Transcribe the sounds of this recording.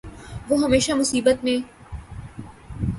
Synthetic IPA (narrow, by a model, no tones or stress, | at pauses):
ʋoːɦɐmeːʃamʊsiːbət̪mẽ